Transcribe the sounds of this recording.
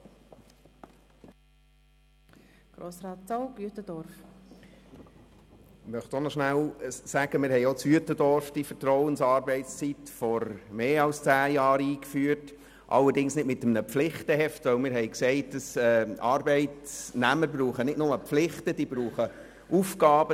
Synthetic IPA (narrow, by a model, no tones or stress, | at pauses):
ɡ̥ɾoːsɾɑːtt͡sɔwɡyətəd̥ɔɾf | mœχtonɔʃnæwsæɡ̥əmɪːɾhɛɪɔt͡syətədɔɾfd̥ifəɾtɾɔwənsɑːɾbɛɪtst͡sitfɔɾmeːɑlst͡sæːjɑːɾiːkfyːət | ʔɑ̰lːəɾdɪŋsnɪdmɪt̪əmnəpflɪχtəhɛftʋœwmɪːɾɦɛɪksɛɪt̚d̥ɑsɛːɑːɾbɛɪtsnæməɾbɾuːχənɪdnʊməpflɪχtəd̥iːbɾuːχə | ufɡɑːbə